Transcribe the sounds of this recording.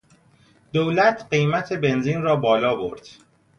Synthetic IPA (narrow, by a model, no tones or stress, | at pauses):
d̪̥oːwlæt̪ʰɢejmæt̪ʰe̞be̞nziːnrɒːbɒːlɒːbo̰ɾd̪̥